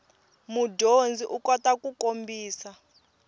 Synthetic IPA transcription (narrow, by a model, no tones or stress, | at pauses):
mudʱond͡zʱiʔukɔtʼakʼukʼombʱiːsa